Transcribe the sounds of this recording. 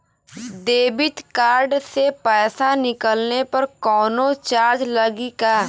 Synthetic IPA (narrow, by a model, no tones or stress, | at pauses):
d̪eːbɪt̪kaːɾɖsepɛːsanɪkəlnepɐɾkɔːnot͡ʃaːɾd͡ʒləɡikaː